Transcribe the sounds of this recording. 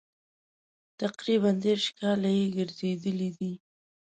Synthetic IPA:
t̪aqɾiβand̪eɾʃkɑlajeɡəɾzed̪əlid̪i

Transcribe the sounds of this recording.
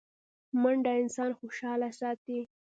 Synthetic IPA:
maɳɖaɪnsɑnxoʃɑlasɑt̪i

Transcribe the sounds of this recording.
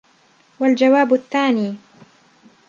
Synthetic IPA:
wald͡ʒawaːbʊθːaːniː

